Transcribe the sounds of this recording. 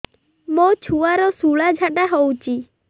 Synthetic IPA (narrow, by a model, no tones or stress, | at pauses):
mot͡ʃʰuaɾɔsuɭad͡ʒʱaɖaɦowt͡ʃʰi